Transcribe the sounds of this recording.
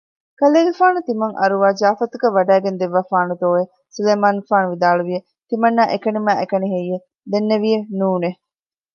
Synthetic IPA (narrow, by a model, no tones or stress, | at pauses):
kɐleːɡefaːnut̪imɐŋʔɐ̰ɾuʋaːd͡ʒaːfɐt̪uɡɐʋːɐɖæːɡend̪eʋːaːfaːnut̪oːʋe | suleːmaːnfaːnuʋid̪aːluʋije | t̪imɐnːaʔekɐnimæːʔekɐniɦejːe | d̪enːeʋijenuːne